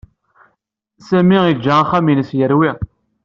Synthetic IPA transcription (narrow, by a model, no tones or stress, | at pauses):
sæmiid͡ʒːaaχæminəsjəɾwi